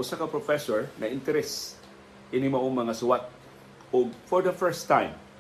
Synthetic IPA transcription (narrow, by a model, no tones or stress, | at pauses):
ʔʊsakɐpɾofɛsɔɹnɐʔɪnt̪ɛɾɛs | ʔɪnɪmɐʔoŋmɐŋasʊwat̪̚ | ʊɡ̚fɔɹd̪ɐfɛɹst̪ːãjm